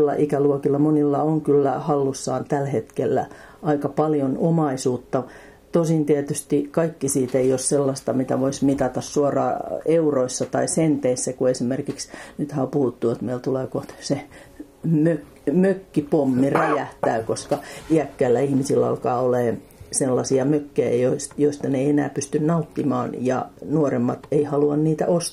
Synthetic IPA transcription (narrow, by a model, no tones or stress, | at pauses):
lːɑ̰ʔikæluokilːɑmonilːɑoŋkylːæhɑlːusːɑːnt̪ælhet̪kelːæ̰ | ɑikɑpɑljonomɑisuːt̪ːɑ | t̪osint̪iæt̪yst̪ikɑikːisiːt̪eiosselːɑst̪ɑmit̪æʋoismit̪ɑt̪ɑssuorɑ̰ːeuroisːɑt̪ɑisent̪eisːækuesimerkiksnyt̪hæopuhut̪ːuot̪meilt̪uleːkot̪se | møk | møkːipomːiræjæht̪æːkoskɑiækːæilːæihmisilːæɑ̰lkɑːoleː | selːɑsiɑmøkːejæ̰joisjoist̪ɑneienæːpyst̪ynnɑut̪ːimɑ̰ːnjɑ̰nuoremːɑt̪eihɑluɑnniːt̪æ̰ʔost̪ː